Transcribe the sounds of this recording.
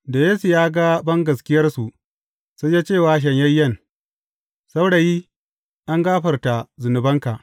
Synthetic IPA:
da˨jeː˦su˨jaː˦ɡa˦bɐ˦ŋɡɐ˨skʲɪ˦jɐ˦rsu˨ | sa˦ja˦t͡ʃeː˦˨waː˦ʃ̬ɐ˨ɲjɐ˦jːɐ˦˨n | sa˦wɽa˨ji˦ | ʔa˦ŋɡaː˦ɸɐ˨rta˨zʊ˨nʊ˨bɐ˦ŋka˨ʔ

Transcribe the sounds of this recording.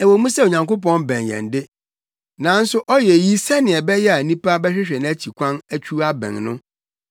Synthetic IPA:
ɛ˨wo˨˦mũ˦sɛ˦o˨ɲã˨ŋko˦p̬ɔ̃˦nbɛ̃˨njɛ̰̃˨n˨dɪ˦ | nã˨˦n̩˦sʊ˦ʔɔ˦jɛ˨ji˦sɛ˦nɪ̃˨ɛ˨bɛ˦jɛ˦a˨nĩ˦pa˦bɛ˦ɕᶣɪ˦ɕᶣɛ˨ñ˨æ˦t͡ɕʰi˨kʷʰã˦næ˦t͡ɕʰᶣu˦a˦bɛ̰̃˨ŋnʊ̰̃˦

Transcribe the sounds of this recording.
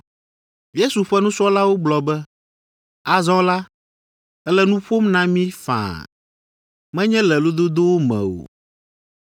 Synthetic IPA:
je˦su˨ɸɛ˦nũ˦sɔ˦la˦wo˦ɡ͡blɔ˨bɛ˦ | a˨zɔ̃˦la˦ | ɛ˦lɛ˨nũ˦ɸo˦mnã˦mĩ˦fã̰˨ | mɛ̃˦ɲɛ̃˦lɛ˨lo˦d̪o˦d̪o˦wo˦mɛ̰̃˨o̰˨

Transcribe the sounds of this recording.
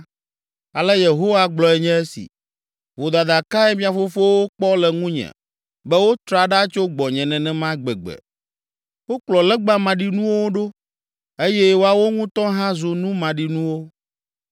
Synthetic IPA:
a˨lɛ˦je˨ɦo˦wa˦ɡ͡blɔ˨ɛ˨ɲɛ̃˦ɛ˦sḭ˨ | vo˨d̪a˨d̪a˨ka˦ɛ˦mĩ˦a˨fo˦fo˦wo˦k͡pɔ˦lɛ˨ŋũ˦ɲɛ̰̃˨ | bɛ˦wo˦t̪ɾa˨ɖa˦t͡ʃo˦ɡ͡bɔ˨ɲɛ̃˨nɛ̃˨nɛ̃˨mã˦ɡ͡bɛ˨ɡ͡bɛ̰˨ | wo˦k͡plɔ˨lɛ˦ɡ͡ba˦mã˨ɖi˨nũ˦wo˦wo˦ɖo˦ | e˦jɛ˦wo˦a˨wo˦ŋũ˦t̪ɔ̃˦ɦã˦zo˨nũ˦mã˨ɖi˨nũ˦wo˦

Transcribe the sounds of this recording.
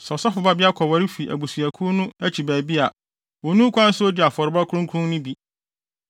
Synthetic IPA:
sɔ˨sɔ˦fʊ˨ba˦bɪ˦a˦kʰɔ˨wa˨ɾi˦fi˨ʔæ̰˨bu˨sɥæ˨kʰu˦nʊ̃˦æ˦t͡ɕʰi˨bæː˨bi˦a˨ | wɔ˨nũ˦kʰʷã˦n̩˦sʊ˦o˦di˨a˨fɔ˨ɾba˦kʰʊ˦ɾʊ̃˦ŋ˦kʰʊ̃˦ŋnʊ̃˦bi˦

